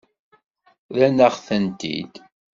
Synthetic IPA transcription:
lænəχθənt̪ḭd̪

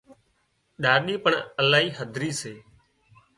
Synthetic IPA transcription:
ɗaːɾɗiːpəɳəlaːɦiːɦəd̪ʱɾiːseː

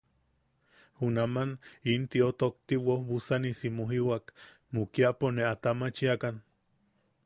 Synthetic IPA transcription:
hunamanint̪iot̪ok̚t̪iwohβusanisimuɦiwak | mukiaʔponeat̪amat͡ʃiakan

